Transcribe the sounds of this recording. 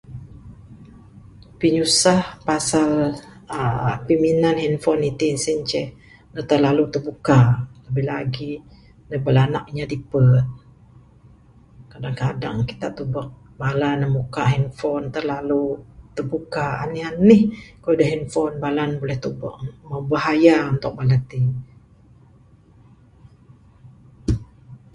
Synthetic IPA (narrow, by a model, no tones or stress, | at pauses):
piɲusahpasaləpiminanɦinfɔnit̪insiɲt͡ʃɛh | nət̪ərlalut̪ərbukaləbɪhlaɡi | nəbəlanaʔɲadipət̪̚ | kadaŋkada̰ŋkit̪aʔ̚t̪ubəʔ̚ | balanːəmukaɦinfɔnt̪ərlalut̪əbukaa̰nihanɪhkaidəɦinfɔnbalanbolɛht̪uba̰ʔməbaɦajaunt̪ʊk̚balat̪i